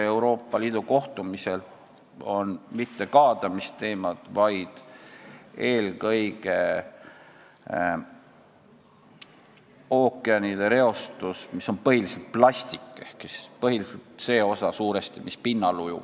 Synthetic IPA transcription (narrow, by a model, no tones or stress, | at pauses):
e̞wɾo̞ːpːˑɑliːd̪̥uko̞ht̪umise̞l | o̞nmit̪ːe̞kɑːd̪̥ɑmist̪e̞ːmɑd̪̥vɑjd̪̥ | e̞ːlkɤjɡ̥e̞ | o̞ːkːˑeɑnid̪̥e̞ɾe̞o̞st̪usmiso̞npɤɦiliselt̪̚plɑsʲt̪ikːˑehkspɤhiliselt̪se̞ːo̞sɑsuːɾe̞st̪imispinːɑlujṵ